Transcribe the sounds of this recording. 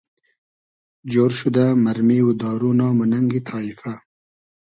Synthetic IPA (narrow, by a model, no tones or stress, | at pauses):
d͡ʒoːɾʃud̪amaɾmiwud̪ɑːɾunɑːmunaŋɡit̪ʰɑːifa